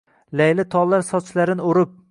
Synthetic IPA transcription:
lajlɪt̪ʰɒllˠːaɾsɒt͡ʃlaɾɪnɪoɾɪp̚

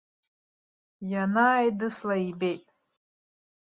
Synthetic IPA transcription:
janajdɨslaibejtʼ

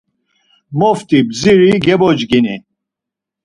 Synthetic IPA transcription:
mɔft̪ʼibziɾiɡɛbɔd͡ʒɡini

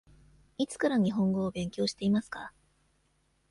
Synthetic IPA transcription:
it͡sɨ̥kaɾaɲ̟iɦõ̞ŋɡo̞ːbẽ̞ŋkʲo̞ːɕi̥t̪e̞imasɨ̥ka

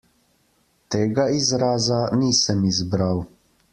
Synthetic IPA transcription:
t̪eːɡaizɾaːzaniːsəmizbɾaw

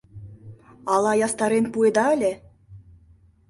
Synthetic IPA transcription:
ɑlˠɑjɑst̪ɑɾenpued̪ɑɘ̆lʲĕ

